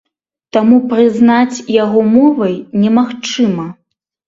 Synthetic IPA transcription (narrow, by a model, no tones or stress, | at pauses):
t̪amupɾɨznat͡sʲjaɣɔmɔvɐjnʲɛmaxt͡ʂɨmɐ